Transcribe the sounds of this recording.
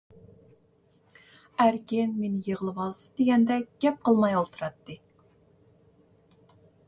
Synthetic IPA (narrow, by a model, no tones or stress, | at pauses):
æɾkʲɪnmenɪjəʁəlˠɨwɑlˠsɨ̥d̪eɡʲɛnd̪ɛɡ̥ʲɛp̚qʰəlˠmɑjolˠt̪ʰuɾɑt̪ːɨ